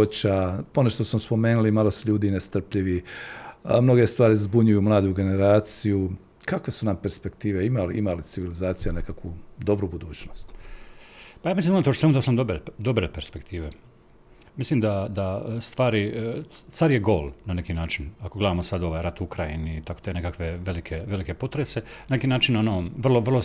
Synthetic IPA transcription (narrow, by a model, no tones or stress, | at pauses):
ot͡ɕaponeʃt̪osmospo̞meːnulimaːlˠosuʎuːd̪inest̪r̩pʎiʋi | mno̞ɡe̞st̪ʋaːɾizbuɲujumlˠaːd̪uɡe̞ne̞ɾaːt̪siju | kakʋe̞sunampe̞ɾspe̞kt̪iːʋeimaliʔimalit̪siʋilizaːt̪sijune̞kakʋud̪o̞bɾubud̪uːt͡ɕnost̪ | pajaːmislimonat̪ot̪semud̪aosamd̪obɾed̪o̞bɾepe̞ɾspe̞kt̪ʰiːʋe | mislimd̪ad̪ast̪ʋaːɾit̪saɾjeɡo̞̰ːlnane̞kiːnaːt͡ʃinakoɡle̞d̪aːmosad̪o̞ʋajɾat̪ukɾajḭniːt̪akot̪ene̞kakʋe̞ʋe̞likʰe̞ʋe̞like̞po̞t̪ɾese̞nanekiːnaːt͡ʃinonoʋr̩lˠo̞ʋrlo